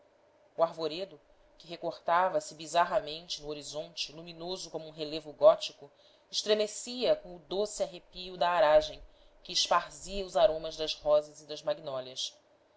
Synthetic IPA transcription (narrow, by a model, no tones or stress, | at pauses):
uaɾvoɾed̪ʊ | kɪɦekoχt̪avɐsɪbizaɦɐmẽnt͡ʃɪnʊoɾizõnt͡ʃɪluminozʊkõmuũɦelevʊɡɔt͡ʃikʊ | ɪʃt̪ɾemesiɐkõʊd̪osiaɦepiud̪ɐːɾaʒẽj̃ | kɪːʃpaɾziɐʊzaɾõmɐzd̪ɐzhɔzɐzɪd̪ɐzmaɡinɔljɐs